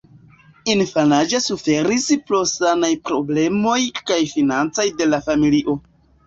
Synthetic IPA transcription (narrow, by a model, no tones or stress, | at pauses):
infanad͡ʒasufe̞ɾisplo̞sanajpɾo̞ble̞mo̞jkajfinant͡sojde̞lafamiliʔo̞